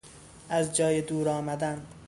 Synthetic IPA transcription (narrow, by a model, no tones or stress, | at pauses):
æzd͡ʒɒːjed̪uːɾɒːmæd̪æn